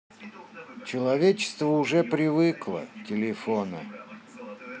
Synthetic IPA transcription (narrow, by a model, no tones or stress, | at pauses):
t͡ɕɪlˠɐvʲet͡ɕɪ̥st̪vəʊʐɛpɾʲɪvɨklˠə̰tʲɪlʲɪfonə̰